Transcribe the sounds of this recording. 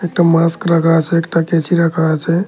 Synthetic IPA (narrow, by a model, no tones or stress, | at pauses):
ek̚ʈamaskɾəkʰat͡ʃʰɛekʈaket͡ʃʰiɾəkʰat͡ʃʰɛ